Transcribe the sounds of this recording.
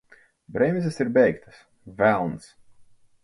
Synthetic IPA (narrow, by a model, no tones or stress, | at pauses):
bɾɛmʲzʲɛsiɾbʲɛjkt̪ʰḁs | vælˠns